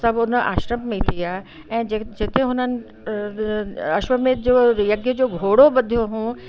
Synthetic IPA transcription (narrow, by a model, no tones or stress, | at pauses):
sɐbʊnʔa̰ːʃɾəmmẽt̪ʰiaː | ɛ̃ːd͡ʑd͡ʑɪt̪eɦʊnənɪ̆ | ɐʃʋəmẽd͡ʑoːjɐɡjəd͡ʑoːɡʱoːɽobɐd̪ʱjoɦũː